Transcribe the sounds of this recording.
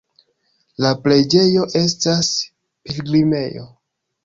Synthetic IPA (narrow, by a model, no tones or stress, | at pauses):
laple̞d͡ʒe̞jo̞ʔe̞stas | pilɡɾime̞jo̞̰